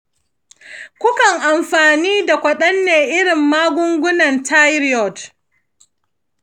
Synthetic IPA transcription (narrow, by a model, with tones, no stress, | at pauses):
kʷʊ˦kɐ˨ŋʔa˨mɸaː˨niː˦da˨kʷɐ˨ɗɐ˦nːeː˨ʔɪ˦ɽɪ˨mːaː˦ɡʷʊ˦ŋɡʷʊ˦nɐ˨nta˦jɾjɔ˨d